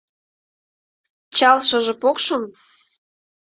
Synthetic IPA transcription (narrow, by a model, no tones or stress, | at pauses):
t͡ɕɑlʃɤ̆ʒĕpokʃɤm